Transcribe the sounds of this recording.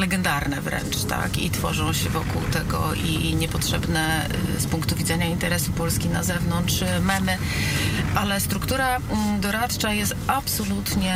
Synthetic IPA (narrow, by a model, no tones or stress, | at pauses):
lɛɡɛnd̪aɾnɛvɾɛ̰nt͡ʂt̪a̰kḭt̪fɔ̰ʐɔ̃w̃ɕɛvɔkuwt̪ɛɡɔ̰ʔiɲɛpɔtʂɛbnɛ | spuŋkt̪uvʲizɛɲaint̪ɛɾɛsupɔlskʲina̰zɛvnɔntʂmamɘ | ʔalɛst̪ɾukt̪uɾad̪ɔɾat̪t͡ʂajɛst̪apsɔlut̪ɲɛ